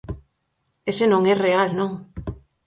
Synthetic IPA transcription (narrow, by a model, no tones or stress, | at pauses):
esenõŋɛrealnõŋ